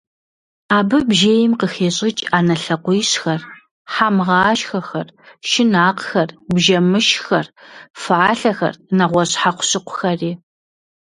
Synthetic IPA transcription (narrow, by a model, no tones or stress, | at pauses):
aːbɨbʒeːjɪmqəxeːɕʼɪt͡ʃʼaːnɐɬɐqʷʊjɕxɐr | ħamʁɑːʃxɐxɐrʃɪnaːqxɐrbʒɐmɨʃxɐrfɨʕaːɬɐxɐ̰rnɐʁʷɔɕħaqʷʊ̥ɕɪqʷʊxɐriː